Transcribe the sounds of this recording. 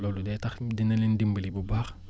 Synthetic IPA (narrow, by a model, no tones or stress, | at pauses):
lɔːludɛtɐxdinɐlindimbəlibubaːx